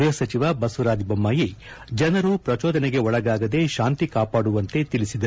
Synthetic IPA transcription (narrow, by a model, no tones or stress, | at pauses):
jɐsɐt͡ʃiʋɐbɐsuɾaːd͡ʒbɐmːaːji | d͡ʒɐnɐɾupɾɐt͡ʃoːd̪ɐneɡe̞ɔɭɐɡaːɡɐd̪e̞ʃaːnt̪ikaːpaːɽuʋɐnt̪e̞t̪ilisid̪ɐ